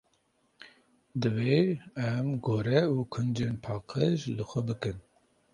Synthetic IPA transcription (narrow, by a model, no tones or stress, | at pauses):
d̪ɨveːɛmɡoːɾɛuːkʰʊnd͡ʒenpʰɑːqʰəʒlɨxʷɛbɨkɨn